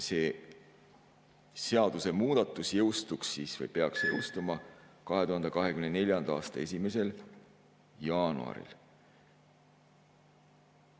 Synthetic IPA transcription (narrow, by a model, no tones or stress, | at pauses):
se̞ː | se̞ɑd̪̥use̞muːd̪̥ɑt̪ːˑusjɤwst̪uksːiːsvɤ̰jpe̞ɑksjɤ̰wst̪umɑkɑɦet̪uhɑnd̪ekɑɦe̞kymnene̞ljɑnd̪̥ɑ̰ːst̪ɑe̞s̬ʲime̞se̞l | jɑːnṵɑ̰ɾḭl